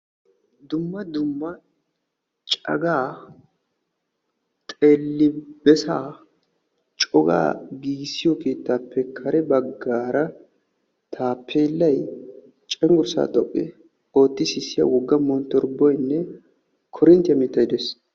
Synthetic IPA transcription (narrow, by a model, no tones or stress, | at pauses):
d̪ʊmːɐd̪ʊmːɐ | t͡ʃʼɐ̰ɡaː | t̪ʼeːlːɪbɛsaː | t͡ʃʼɔɡa̰ːɡiːɡsːɪjɔke̞ːt̪ːaːpːɛkʰːɐɾɛbɐɡːaːɾɐ | t̪ʰaːpʰːeːlːɐj | t͡ʃʼɛŋɡʊɾsa̰ːt̪ʼɔpʼːɪ | o̞ːt̪ːɪsɪsːɪjɐ̰wɔɡːɐmɔnt̪ːɔɾbɔjnːɛ | kʰɔɾɪnt̪ɪjɐmiːt̪ːɐjɪd̪ɛs